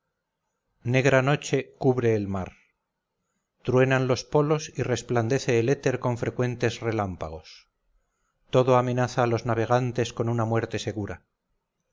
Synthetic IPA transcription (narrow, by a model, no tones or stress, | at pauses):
ne̞ɣɾano̞t͡ʃe̞kuβɾe̞ːlmaɾ | t̪ɾwe̞nanlo̞spo̞lo̞sire̞spland̪e̞θe̞ːle̞t̪e̞ɾko̞ɱfɾe̞kwe̞nt̪e̞zre̞lampaɣ̞o̞s | t̪o̞ðo̞ame̞naθaːlo̞znaβ̞e̞ɣ̞ant̪e̞sko̞nunamwe̞ɾt̪e̞se̞ɣuɾa